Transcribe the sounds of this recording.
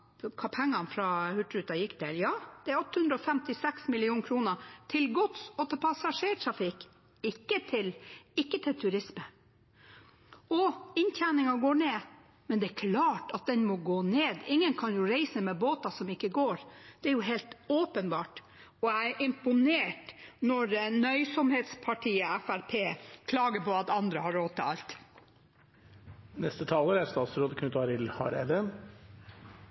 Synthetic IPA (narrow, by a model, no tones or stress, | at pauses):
kʰɑːpʰɛŋːɑnfɾɑhʉʈɾʉːt̪ɑjɪkːd̪ɛljɑːd̪̥ɛæɾɔt̪ːəhʉnd̪ɾɔfɛmt̪ɪsɛksmɪlɪuːnkʰɾuːnət̪ʰɪlɡɔt̪sɔt̪ʰɛlpʰɑsɑʂeːʈ̪ʰɾɑfɪk | ɪkːət̪ʰɪlɪkːət̪ʰɪlt̪ʰʉɾɪsmə | ɔɪnt̪ʰæːnɪŋɑɡoːɳeː | mɛnd̪ɛæɾkʰlɑːʈɑt̪̚d̪ɛnmɔɡoːneːd̪ɪŋːənkʰɑnjʊɾeɪsəmɛːboːt̪ɑsɔmɪkːəɡoːɾd̪̥ɛæɾjʊɦeːlt̪oːpənbɑːʈ | ɔæɪʔɪmpʊneːʈnɔɾnœʏsɔmheːt̪spʰɑʈʰiːəæfæɾpʰeːkʰlɑːɡəpɔɑt̪ɑnd̪ɾəhɑɾoːt̪ʰɑ̰lt̪ | nɛst̪ət̪ʰɑːləɾæɾst̪ɑːt̪sɾoːd̪əkʰʉnt̪ɑːɾɪlhɑ̰ɾḛd̪ə